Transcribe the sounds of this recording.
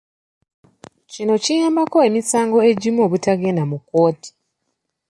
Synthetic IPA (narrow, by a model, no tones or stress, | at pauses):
cino̞cijaːmbako̞e̞misaːŋɡo̞e̞ɟimo̞ːβutaɡe̞ːndamuko̞ːti̥